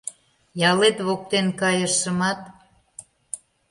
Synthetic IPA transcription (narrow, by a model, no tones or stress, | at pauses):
jɑlet̪βok̚t̪enkɑjəʃːə̆mɑt̪̚